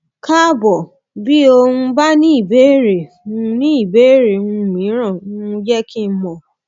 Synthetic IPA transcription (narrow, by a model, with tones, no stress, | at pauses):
ka˦bɔ˨ | bi˦o˧hũ˧ba˦nĩ˦i˦˨be˨˦˨ɾe˨ | ũ˦˧nĩ˦i˦˨be˦˨ɾe˨nũ˧˦˨mĩ˨˦ɾ̃ã˦˨ũ˦˧d͡ʒɛ˦ki˦mɔ̃˨